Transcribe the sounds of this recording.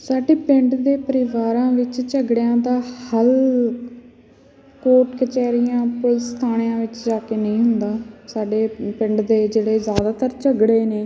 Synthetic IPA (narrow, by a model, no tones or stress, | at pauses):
saːɖeːpɪɳɖd̪eːpəɾɪʋaːɾãːʋɪt͡ʃt͡ʃəɡɽjãːd̪aːhəl | koːɾʈkət͡ʃɛːɾijãːpʊlst̪ʰaːɽ̃jãːʋɪt͡ʃd͡ʒaːkeːnəĩːɦʊnd̪aːsaːɖeːpɪ̃ɳɖd̪eːd͡ʒeːɽeːzjaːd̪aːt̪əɾt͡ʃəɡɽeːneː